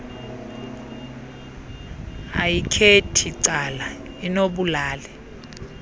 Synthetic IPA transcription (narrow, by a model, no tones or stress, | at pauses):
a̰jikʰetʰiǀala | inoɓulaːlɛ